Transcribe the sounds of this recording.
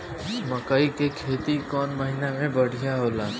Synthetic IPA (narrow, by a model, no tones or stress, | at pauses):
mɐkaikekʰeːt̪ikɔːnmɐɦɪnamẽbɐɽ̤ijaɦoːlaː